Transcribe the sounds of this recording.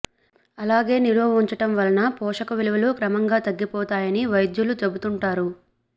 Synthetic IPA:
ɐlaːɡe̞ːniloːuɲt͡ʃɐʈɐmʋɐlɐnɐpɔːʂɐkɐʋiluʋɐluːkɾɐmɐŋɡaːt̪ɐɡːipɔːt̪aːjɐniʋɐjd̪julut͡ʃɐbut̪uɳʈaːɾu

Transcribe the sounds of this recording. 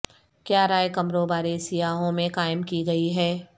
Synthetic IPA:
kjaːɾaːjkɐmɾoːbaːɾesijaːɦõmẽkaːɪmkiɡɐiɦɛː

